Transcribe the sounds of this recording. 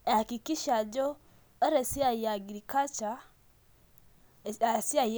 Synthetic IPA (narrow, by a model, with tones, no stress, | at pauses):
a˨ki˨ki˦ʃa˨d͡ʒo˦ | ə˦ɾə˨si˦a˨ja˨ɡi˨ɾi˨ka˦t͡ʃa˨˦˨ | a˨si˦a˨j